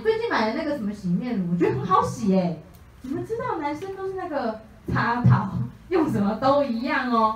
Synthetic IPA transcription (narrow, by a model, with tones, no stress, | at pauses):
t̪we˥˧ɪt͡ɕi˥˩nma˨˩ɪə˦na˥˩ɡə˩ʂə˨˥nmə˧ɕi˨˥˩mjɛ˥˩n˧˩ɔ˨˩t͡ɕɥxə˧˥ŋxɑ˧˥ʊɕi˨˩e˧˩ | ni˨˩mə˧˥˦ʈ͡ʂɻ̩˥t̪ɑ˥˩ʊna˧˥nʂə˥nt̪ʂ̩˥˧na˥˩ɡə˩ | t͡sʰa˧˥t̪ʰɑ˨˩˦ʊjʊ˥˩ŋʂə˨˩nmə˧˦t̪o˥ʊi˧˥jɑ˥˩ŋɔ˧˩